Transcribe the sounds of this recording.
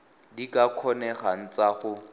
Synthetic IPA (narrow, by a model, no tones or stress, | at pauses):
dikʼakʰɔnɛχan̩t͡saχʊ